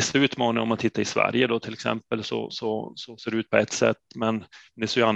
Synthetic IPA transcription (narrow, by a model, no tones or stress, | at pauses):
ɛsaʉ̟ːt̪mɑːnɪŋɔmːat̪t̪ʰːɪt̪ːaɾɪsvæ̰ɾjəd̪ɔt̪ʰɪlːɛksɛ̰mpəlsɔ̰sɔsɔseːɖɛʉ̟ːt̪̚pʰɔɛt̪ːsɛ̰t̪ːmɛnd̪ɛsjan